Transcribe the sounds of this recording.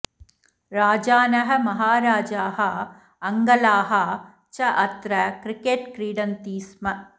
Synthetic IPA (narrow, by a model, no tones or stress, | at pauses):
ɾaːd͡ʒaːnɐɦɐ̆mɐɦaːɾaːd͡ʒaːɦɐ | ɐŋɡɐlaːɦɐ | t͡ʃɐʔɐt̪ɾɐkɾikeːʈkɾiːɖɐnt̪iːsmɐ